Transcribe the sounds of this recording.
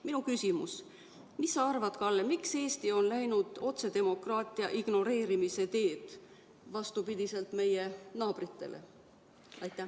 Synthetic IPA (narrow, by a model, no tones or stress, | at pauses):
minukysimus | misːɑɑrvɑt̪kɑlːemikse̞ːst̪io̞nlæjnud̪̥o̞t̪se̞d̪e̞mo̞krɑːt̪ˑiɑ̰ʔiɡ̥no̞ɾe̞ːɾimise̞t̪e̞ːd̪̥ | vɑst̪upid̪̥ise̞lt̪me̞jenɑːb̥ɾit̪ːˑe̞̰lʔḛ | ɑjt̪ːˑæ